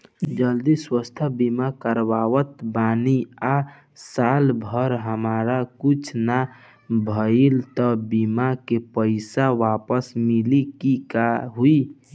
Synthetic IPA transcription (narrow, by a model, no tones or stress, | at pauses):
d͡ʒəld̪iswəst̪ʰəbimakəɾʋaʋət̪bania | salbʱəɾɦəmaɾakut͡ʃʰna | bʱəilt̪əbimakepəɪsaʋapəsmilikikaɦui